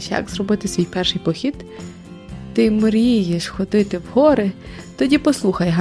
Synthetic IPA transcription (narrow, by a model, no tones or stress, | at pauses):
ʃjɐ̰kzrɔbɪt̪ɪsʲʋʲijpɛrʃɪjpɔxʲid̪ | t̪ɪmɔɾʲjijeʃxɔd̪ɪt̪ɪwhɔɾɪ | t̪ɔdʲipɔslˠuxɐjɦɑ